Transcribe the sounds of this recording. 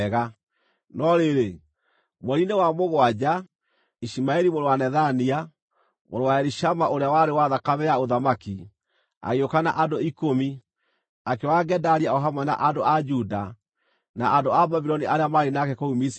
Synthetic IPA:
ɣa | nɔɾeɾe | mɔɾinewamoɣwad͡ʑa | iʃimaɛɾimoɾowanɛðania | mo̰ɾowaɛɾiʃamaʔoɾeawaɾewaðakaβɛjaoðamaki | a̰ɣeokana̰ʔandoikomi | akewaɡɛdaɾiaɔɦamana̰ʔandoʔad͡ʒuda | na̰ʔandoabaβiɾɔniʔaɾeamaɾenakɛkɔumis

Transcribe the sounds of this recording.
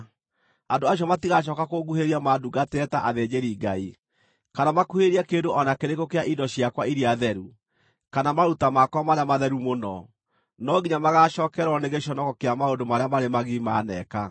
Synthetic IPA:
andoaɕ̬jɔmatiɣaʃ̬ɔːkakoɡuheɾiamaduɡatɛtaʔaðed͡ʑeɾiːɡai | kanamakuheɾiɛkeːndoʔɔnakeɾekokeaʔidɔɕjakwaiɾiaðɛɾu | kanamaɾutamakwamaɾeamaðɛɾumonɔ | nɔɡiɲamaɣaʃɔːkɛɾɔneɣeʃ̬ɔnɔkɔkeamaondomaɾeamaɾemaɣimanɛka

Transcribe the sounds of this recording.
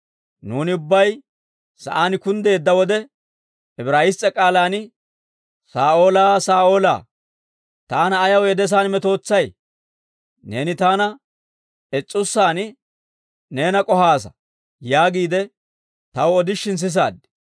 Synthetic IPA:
nuːnɪʊbːɐj | sɐ̰ʔaːnɪkʊnd̪e̞ːd̪ːɐwɔd̪ɛ | ɛbɾaːɪst͡sʼːɛkʼaːlaːnɪ | saːʔoːlaːsaːo̞ːla̰ː | t̪aːnɐːjɐwɛd̪ɛs̬aːnmɛt̪o̞ːt͡sːɐj | ne̞ːnɪt̪aːnɐ | ɛt͡sʼːʊsːaːn | ne̞ːnɐkʼɔhaːsɐ̥ | jaːɡiːd̪ɛ | t̪ɐwɔd̪ɪʃːɪns̬ɪs̬a̰ːd̪ɪ̥

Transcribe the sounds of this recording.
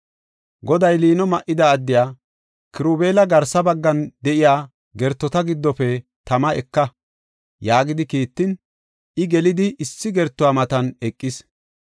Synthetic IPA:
ɡɔd̪ɐjliːnɔmɐʔɪd̪ɐːd̪ːɪjaː | kɪɾuːbeːlɐɡɐɾsɐbɐɡːɐnd̪ɛʔɪjaː | ɡɛɾt̪ːɔt̪ɐɡɪd̪ːɔfɛ | t̪ɐmɐɛkːɐ | jaːɡɪd̪ɪkiːt̪ːɪn | ʔɪɡɛlɪd̪ɪʔɪsːɪɡɛɾt̪ːʊwaːmɐt̪ɐnɛkʼːɪs

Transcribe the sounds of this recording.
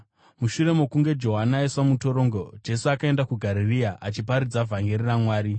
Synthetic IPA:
muʃure̞mo̞kuŋɡe̞d͡ʒo̞ɦanaesamuto̞ɾo̞ŋɡo̞d͡ʒe̞suakae̞ndakuɡʱaɾiriaʔat͡ʃip̬aɾid͡zavʱaŋɡeriramwaːɾi

